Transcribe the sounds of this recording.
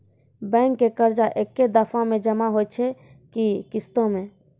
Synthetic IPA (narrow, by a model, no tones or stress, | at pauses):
bɛ̃ːŋkːekəɾd͡ʒaʔekːed̪əfʰãmẽd͡ʒɐmaɦot͡ʃʰe | kikɪst̪õmẽː